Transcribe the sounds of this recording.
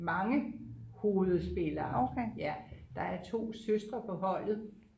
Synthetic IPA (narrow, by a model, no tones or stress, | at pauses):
mɑ̈ŋəho̝ːð̩ˠsb̥e̝lɐɒʊkʰæjæd̥ɑ̈æɐt͡sʰo̝̰ːsøsd̥ʁɐpʰɒ̽ɦɒ̽l̰ð̩ˠ